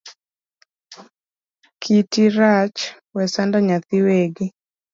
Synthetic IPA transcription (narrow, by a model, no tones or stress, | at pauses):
kʰitiɾat͡ʃ | wɛsandaɲat̪ɪweɡɪ